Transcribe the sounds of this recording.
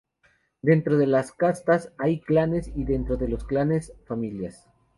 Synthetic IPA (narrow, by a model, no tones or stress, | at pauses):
d̪e̞nt̪ɾo̞ðe̞laskast̪asajklane̞siðe̞nt̪ɾo̞ðe̞lo̞sklane̞sfamiljas